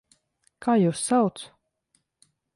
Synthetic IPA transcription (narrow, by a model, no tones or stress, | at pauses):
kʰaːjuːsːawt̪s